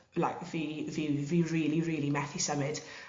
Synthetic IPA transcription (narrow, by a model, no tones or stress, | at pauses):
laɪkviːviːviːɹiːliɹiːlimɛθisəmɪd̥